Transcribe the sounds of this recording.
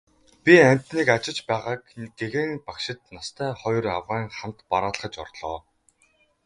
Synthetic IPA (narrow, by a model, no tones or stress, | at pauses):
pʲiæm̥ʲt̪niːkat͡ɕɪ̆t͡ɕpæːʁaːk̚ɡeɣeːŋpakʃɪ̆t̪̚nast̪ʰæːχɔj̆ra̰wʁaːŋχam̥t̪paɾaːɮ̆χə̆t͡ɕɔ̰rɮɔː